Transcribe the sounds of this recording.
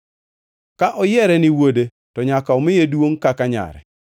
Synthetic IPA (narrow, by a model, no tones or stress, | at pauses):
kaʔɔjɛɾɛnɪwode | tɔɲakaɔmɪjedwoŋkakaɲa̰ɾɛ̰